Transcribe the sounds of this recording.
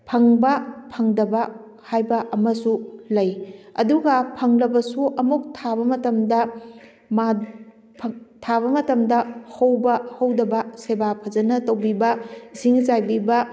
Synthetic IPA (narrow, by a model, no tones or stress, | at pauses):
pʰɐŋbɐpʰɐŋdɐbɐ | hajbɐʔɐmɐsulɐjɐduɡɐpʰɐŋlɐbɐsuʔɐmuk̚tʰaβɐmɐtɐmdɐ | ma | pʰtʰaβɐmɐtɐmdɐhɐwbɐhɐwdɐbɐsebapʰɐzɐnɐtɐwbibɐisiŋsajbibɐ